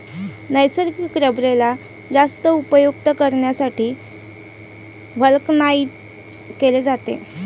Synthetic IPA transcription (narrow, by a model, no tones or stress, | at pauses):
nəjsəɾkikːɾəbɾela | d͡zast̪əupəjuk̚t̪əkəɾɳjasaʈiː | ʋəlknaiʈ̚ | keled͡zat̪ḛ